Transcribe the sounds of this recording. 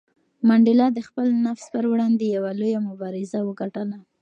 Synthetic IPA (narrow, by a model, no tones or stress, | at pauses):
maɳɖɪlɑd̪əxpəlnafspəɾwɽɑnd̪ejawalojamʊbɑɾɪzawəɡaʈəla